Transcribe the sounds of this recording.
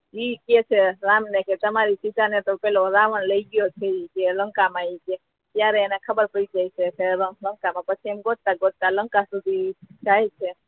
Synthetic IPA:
iket͡ʃʰeɾamneket̪əmaɾisit̪anet̪opɛloɾaʋənləiɡijot͡ʃʰeikeləŋkamãike | t̪jaɾeenakʰəbəɾpəɽid͡ʒajt͡ʃʰepʰeɾələŋkamãpət͡ʃʰiemɡot̪aɡot̪alə̃ŋkasud̪ʱit͡ʃaɦɛt͡ʃʰe

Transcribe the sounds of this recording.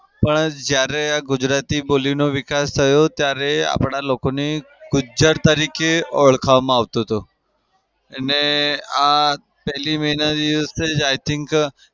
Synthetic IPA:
pəɳd͡ʒjaɾeaɡʊd͡ʒɾat̪ibolinoʋɪkast̪ʰəjot̪jaɾea̰pɳ̃alokone | ɡ̥ʊd͡ʒd͡ʒəɾt̪əɾikeoɭkʰaʋmãaʋt̪ot̪o | ənea | pɛɦliməɦinad̪iʋəsed͡ʒajt̪ʰɪ̃ŋk

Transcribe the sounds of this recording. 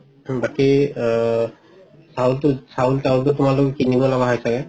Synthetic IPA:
baki | saultʊsaultawltʊtʊmalɔkkinibɔlabaɦajsakɛ

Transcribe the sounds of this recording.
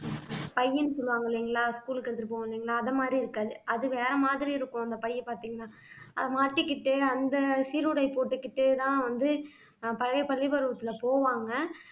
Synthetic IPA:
pɐjːɐnːɯsɔlːɯʋaːŋɡɐɭiːŋɡɐɭaːskuːlkɐɾɯt̪ːɪɾɯpoːŋɡɐliːŋɡɐɭaːɐðɐmaːd̪ɾiɪɾɯkːaːðɯʔɐðɯʋeːɾɐmaːðɪɾiɪɾɯkːʊ̃ɐnd̪ɐpɐjːɛpaːɾt̪iːŋɡɐnːaː | ʔɐ̰ðɐmaːʈːɯkːɪʈːɯɐnd̪ɐsiɾʊɽɐɪpoːʈːɯkːɪʈːɯt̪ãːʋɐnd̪ɯ | pɐɻɐɪpɐɭːɪpɐɾɯʋɐt̪ːɪlɐpoːʋaːŋɡɐ

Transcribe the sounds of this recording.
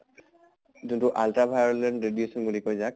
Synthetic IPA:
zuntʊʔaltabʱajɹɔlɛndɹedjusɔnbulikojzak̚

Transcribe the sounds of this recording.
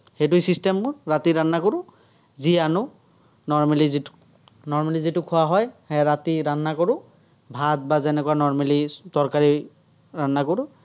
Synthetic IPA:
xejtʊisistɛmːʊɹatiɹanːakoɹʊ̃ | zianʊ | nɔɹmalizi | nɔɹmalizitʊkʰʊwaɦɔjhɛɹatiɹanːakoɹʊ | bʱad̚bazɛnɛkuwanɔɹmalidɔɹkaɹi | ɹanːakoɹʊ

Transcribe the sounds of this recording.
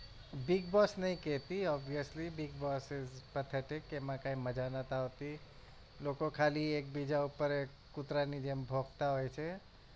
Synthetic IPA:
bɪɡ̚bɔsnəɦĩkɛt̪iɔbiəslibɪɡ̚bɔsɪzpət̪ʰeʈɪkːemãkãĩməd͡ʒanət̪aɦot̪i | lokõkʰaːlieːk̚bid͡ʒaupəɾe | kʊt̪ɾanid͡ʒembʱoɡt̪aɦojt͡ʃʰe

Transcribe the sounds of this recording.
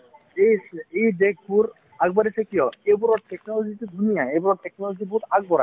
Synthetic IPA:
ejsejdek̚ʰbuɹ | aɡ̚baɾisɛkijɔejbɔɾɔtɛknɔlɔzitudʱunijaejbɔɾɔtɛknɔlɔzibutaɡ̚bɔɾa̰

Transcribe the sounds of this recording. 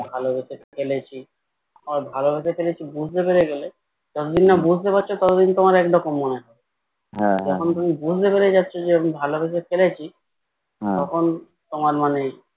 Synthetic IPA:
bʱalobeʃekelet͡ɕʰi | ɾbʱalobesefelet͡ɕʰibud͡ʑʱt̪epeɾeɡele | d͡ʑɔt̪od̪inːabud͡ʑʱt̪epatːɕʰot̪ɔt̪od̪int̪omaɾɛkɖɔkomːonekɔɾe | ɦɛkʰont̪umibud͡ʑʱt̪epeɾed͡ʑatːɕʰod͡ʑeebmbʱalobeʃ̬efelet͡ɕʰi | t̪ɔkʰon | t̪omaɾmane

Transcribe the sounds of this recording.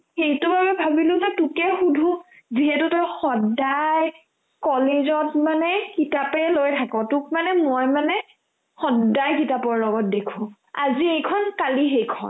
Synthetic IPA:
xejtʊbabɛbʱabilʊ̃zɛtʊkɛxudʱũ | ziɦɛtʊtɔjxɔdaj | kɔlezɔtmanɛkitapɛlojtʰakɔ̃tʊk̚manɛmojmanɛ | xɔdajk̬itapɔɹlɔɡɔt̚dekʰʊ̃ | a̰ziejkʰɔnkalixejkʰɔ̰n

